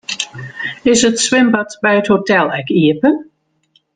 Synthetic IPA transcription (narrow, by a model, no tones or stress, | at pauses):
ɪsətswɪmbətbɛjəthotɛlˠɛkiəpən